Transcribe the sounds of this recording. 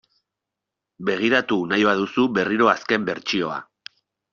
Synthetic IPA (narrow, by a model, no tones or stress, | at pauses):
be̞ɣ̞iɾat̪unajβaðusuβe̞riɾo̞aske̞mbe̞ɾt͡ʃio̞a̰